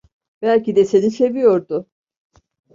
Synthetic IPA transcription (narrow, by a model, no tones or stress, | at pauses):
b̥ælʲcid̪ɛse̞nise̞vijo̞ɾd̪ʊ